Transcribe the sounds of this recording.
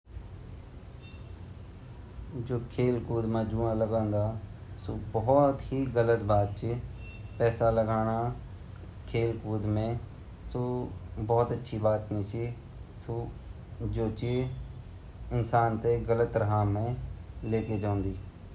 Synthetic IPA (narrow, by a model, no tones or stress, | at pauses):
d͡ʒoːkʰeːlkuːd̪mãːd͡ʒuːãːləɡãːnd̪aːsoːbɔːt̪ɦiːɡələt̪baːd̪̚t͡ʃepɛːsaːləɡaːɽ̃aː | kʰeːlkuːd̪mẽː | soːbɔːt̪ətːʃʰiːbaːt̪nĩːt͡ʃiː | soː | d͡ʒoːt͡ʃi | ɪnsaːnt̪eːɡələt̪ːɾəɦaːmẽːleːkeːd͡ʒãːnd̪iː